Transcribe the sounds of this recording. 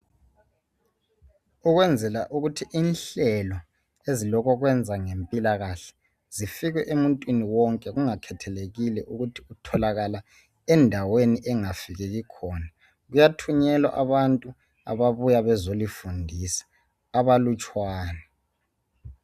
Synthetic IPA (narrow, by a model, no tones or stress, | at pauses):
uɣwɛnd͡zʱɛlaʔuɣutʰiʔinɬɛlɔ | ezilɔkʰɔɣwɛnd͡zʱaŋempʼilaɣaɬɛ̥ | z̥ifiɣwɛʔemuntʼwiniwɔŋkʼɛɣuŋakʰɛtʰɛleɣilɛʔuɣutʰi̥utʰɔlaɣala | ɛndʱaweniʔɛŋafiɣɛɣikʰɔːna | ɣujatʰuɲɛlwa̰ʔaβantʼu | a̰βaβujaβɛzolifundʱisḁː | βalut͡ʃʼwaːnɛ